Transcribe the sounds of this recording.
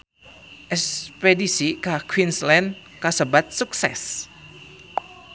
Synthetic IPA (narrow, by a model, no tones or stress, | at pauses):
ʔɛspedisikakʰwinslɛn | kasəbat̪̚suk̚sɛs